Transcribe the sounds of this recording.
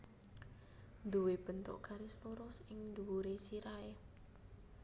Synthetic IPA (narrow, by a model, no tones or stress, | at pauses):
nd̪uweb̥ə̤nt̪ʊ̰ʔɡ̥aɾɪsluɾʊsɪŋnd̪uuɾesiɾae